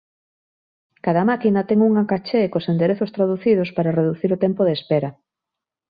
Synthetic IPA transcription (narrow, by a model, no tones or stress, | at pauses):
kaðɐmakinɐt̪ɛŋuŋakat͡ʃekosend̪eɾeθʊst̪ɾaðuθiðospaɾareðuθiɾot̪ɛmpoðespɛɾɐ